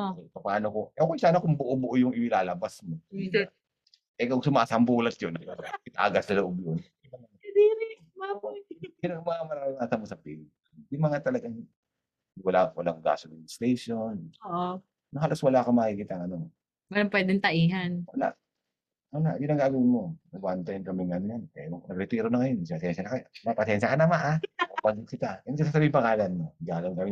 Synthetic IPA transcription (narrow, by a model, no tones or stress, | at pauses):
oɛpɐpaːnokoʔoːkɛjsaːnɐkʊŋbʊʔobʊʔojʊŋɪmɪlaːlɐbasmo | ʔɛkoɡsʊmaːsɐmbuːlɐt̪̚jonɪt̪a̰ːɡɐsɐlʊʔob̚jonjɐŋɐɐd̪iːɾɪʊmabʊʊnɐmɐŋamɐɾaːmɪŋat̪ɐmɐsɐpḭːlt̚ | jʊŋmɐŋat̪ɐlɐɡaŋ | wɐlawɐ̰laŋɡa̰ːsonɪnɪst̪ejʃonoʔo | nohaːloswɐlaʔɐkomɐkikiːt̪ɐʔŋɐno | wɐlɐmpwɛːd̪ɛŋt̪ɐʔiːɦanwɐla̰ʔ | wɐlaʔjʊnɐŋɡaːɡɐwɪnmonɐɡwant̪ɐnkɐmɪŋɐnonpɛɾoŋnɐɡɾɛt̪iːɾonɐŋɐjonspɐsɛnʃɐnɐkɐmapɐsjɛnsʃɐkɐnɐmaʔaopɐɡkɪt̪aɪsas̬aːsɐbiːɪmpɐŋaːlɐnːoɡaːlɐwnkɐmɪ